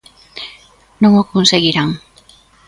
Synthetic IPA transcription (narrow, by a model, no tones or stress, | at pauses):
nõŋokonseɣiɾaŋ